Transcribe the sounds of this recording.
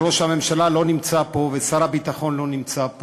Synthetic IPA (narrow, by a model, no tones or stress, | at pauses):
o̞ʃhame̞mʃalalo̞nimt͡sapo̞vesaɾabit̪aχo̞nlo̞nimt͡sap